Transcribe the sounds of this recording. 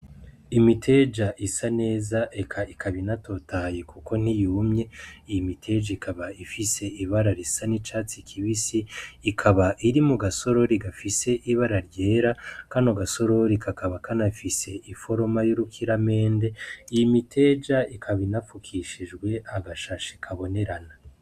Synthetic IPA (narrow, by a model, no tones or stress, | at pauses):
imitʰe̞d͡ʒaʔisane̞ːzaʔekʰaikʰaβinato̞tajekuko̞n̥ijuːmɲe̞ijimitʰe̞d͡ʒaikʰaβaifise̞iβaɾaɾisanit͡ʃaːt͡sikʰiβisiːkʰaβaʔiɾimuɡaso̞ɾo̞ɾiɡafise̞ʔiβaɾaɾɟe̞ːɾakaːnoɡaso̞ɾoɾikʰakaβakanaifise̞ʔifo̞ɾomajuɾukʰiɾame̞ːnde̞ijimitʰe̞d͡ʒaikʰaβinafukʰiʃid͡ʒɡwe̞ʔaɡaʃaʃi̥kʰaβo̞ne̞ɾana